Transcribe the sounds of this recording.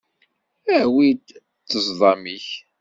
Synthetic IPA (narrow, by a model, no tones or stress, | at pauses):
æwid̪ | t͡sːəzˤðˤɑmiç